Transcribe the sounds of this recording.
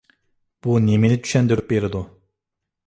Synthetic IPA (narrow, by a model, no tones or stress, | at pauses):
b̥uneminɪt̪ʰy̥ʃɛnd̪yɾyp̚beɾɪd̪u